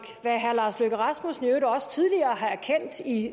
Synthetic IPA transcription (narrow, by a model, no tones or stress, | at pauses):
ɡ̥ʋæɦæɐlɑ̈ːsløɡ̥əʁɑ̈smusnjød̩ɒ̽sə̥t͡sʰið̞ˠliɐːɦɑ̈æɐkʰen̰d̥i